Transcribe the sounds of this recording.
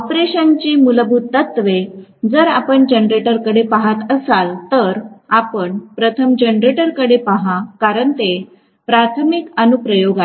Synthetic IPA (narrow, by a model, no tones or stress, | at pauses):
ɔpɾeɕənt͡ɕiːmuləbʱutt̪ːət̪ʋed͡zəɾapəɳd͡ʑənɾeʈəɾkəɽepaɦat̪əsalt̪əɾapəɳpɾət̪ʰəmd͡ʑənɾeʈəɾkəɽepaɦakaɾəɳt̪e | pɾat̪ʰəmikənupɾəjoɡa